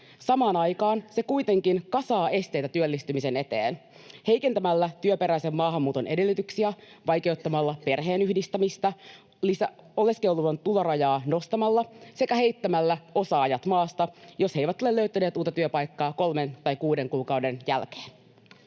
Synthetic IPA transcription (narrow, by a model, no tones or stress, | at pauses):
sɑmɑːnɑjkɑːnse̞kuit̪e̞ŋkinkɑsɑːe̞st̪e̞jt̪æt̪yølːist̪ymise̞ne̞t̪ḛːn | he̞jke̞nt̪æmælːæt̪yøpe̞ɾæise̞mːɑːɦɑmːuːt̪o̞nʔe̞de̞lːyt̪yksiæ | ʋɑjke̞ut̪ːɑmɑlːɑpe̞rɦeːnyhdist̪æmist̪æ | lisæ | o̞le̞skewluʋɑnt̪ulorɑjɑːno̞st̪ɑmɑlːɑse̞kæhe̞jt̪ːæmælːæo̞sɑːjɑt̪mɑːst̪ɑjo̞she̞ijʋæt̪olelːøyt̪æneːt̪uːt̪ːˑɑt̪yøpɑjkːɑːko̞lme̞nt̪ɑjkuːde̞ŋkuːkɑwde̞njælk̟e̥ːn